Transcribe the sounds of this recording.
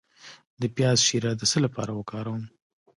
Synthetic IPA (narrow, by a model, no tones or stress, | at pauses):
d̪əpjɑzʃiɾad̪əsəlapɑ̰ɾawəkɑɾawəm